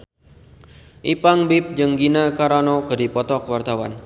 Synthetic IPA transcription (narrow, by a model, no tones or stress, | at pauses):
ʔipaŋbɪp̚d͡ʒɨŋɡinakaɾanɔkədipɔt̪ɔkwart̪awa̰n